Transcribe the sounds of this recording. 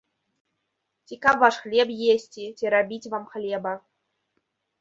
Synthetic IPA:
tʲikɑpʋɑʂxlʲebjesʲtʲitʲeɾabʲitʲʋɑmχlʲebə̆

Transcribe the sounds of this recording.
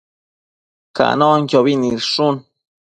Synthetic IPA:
ka̰ʔnõʔŋjoβinĩɾʂun

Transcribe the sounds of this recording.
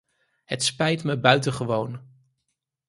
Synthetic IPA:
ɦətspɛjtməbœɥtəχəʋown

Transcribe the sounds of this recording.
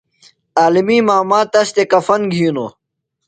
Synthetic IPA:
aːlimiːmaːmaːt̪ɐst̪ekɐfɐnɡʱiːno̰ː

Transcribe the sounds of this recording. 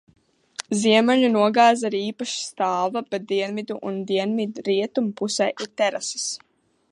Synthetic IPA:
ziɛmaʎunuɔɡaːzaɾiːpaʃi̥st̪aːvabɛt̪̚d̪iɛnvid̪uʔund̪iɛnvid̪ɾiɛt̪umpusɛjʔiɾt̪ɛɾasi̥s

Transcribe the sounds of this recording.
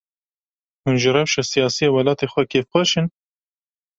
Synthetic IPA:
hunʒɨɾɛwʃɛsijɑːsijeːwɐlɑːt̪eːxʷɛkʰeːfxʷɛʃɨn

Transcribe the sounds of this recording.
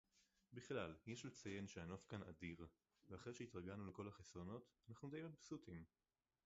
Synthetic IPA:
biχlaljeʃlet͡saje̞nʃeanofkana̰diʁ | veaχʁejʃeitʁaɡanuleko̞laχesʁo̞no̞t̪anaχnud̪ejot̪̚bsutim

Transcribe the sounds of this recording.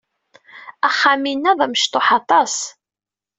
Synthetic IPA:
æχːaminːæðˤɑməʃt̪oħɑt̪ˤɑs

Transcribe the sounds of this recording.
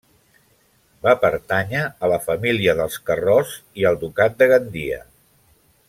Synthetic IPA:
bapəɾt̪aɲəːləfəmiliəðəlˠskərɔz | iəlˠd̪ukat̪̚d̪əɣənd̪iə̰

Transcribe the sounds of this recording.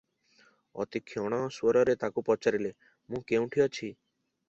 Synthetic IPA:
ɔ̰t̪ikʰjɔɽ̃ɔswɔɾɔɾet̪akupɔt͡ʃaɾile | mũkeũʈʰiɔt͡ʃʰi

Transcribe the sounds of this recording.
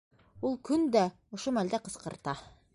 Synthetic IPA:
ulˠkɵnd̪æ | ŏʃomæld̪æqɤ̆sqɤ̆ɾt̪ɑ

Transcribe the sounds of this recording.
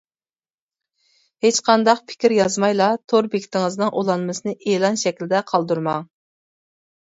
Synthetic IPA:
het͡ʃqʰɑnd̪ɑqpʰɪ̥kʲiɾjɑzmɑjlˠɑt̪ʰoɾbekʲi̥t̪ɪŋɨznɨŋʔolˠɑnmɨsɨnɨʔelˠɑnʃɛkʲlɪd̪ɛqʰɑlˠd̪uɾmɑŋ

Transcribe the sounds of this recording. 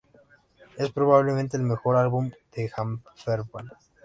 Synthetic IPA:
espɾoβaβlemẽnt̪eːlmexoɾalβumd̪̥examfeɾpan

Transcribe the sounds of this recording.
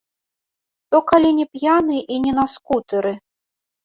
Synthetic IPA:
t̪ɔkalʲinʲɛpjanɨʔinʲɛnaskut̪ɨɾɨ

